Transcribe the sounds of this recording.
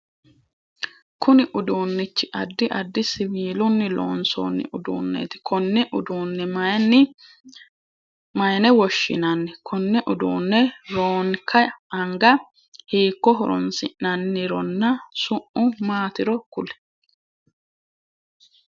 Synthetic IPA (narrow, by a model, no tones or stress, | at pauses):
kʊnɪʔʊd̪uːnːɪt͡ʃːɪʔɐd̪ːɪʔɐd̪ːɪsɪwiːlʊnːɪlo̰ːnso̰ːnːɪ̰ʔʊd̪ṵːnːḛt̪ɪ̥kʰɔnːɛʔʊd̪uːnːɛɐnɪ | mɐjnɛwɔʃːɪ̰nɐnːɛkʰɔnːɛʔʊd̪ṵːnːɛɾoːŋkʰɐɐŋɡɐ | hiːkːɔɦɔɾɔ̰nsɪ̰ʔɐnːɪɾɔnːɐsʊʔʔʊmaːt̪ɪɾɔkʊlɛ̥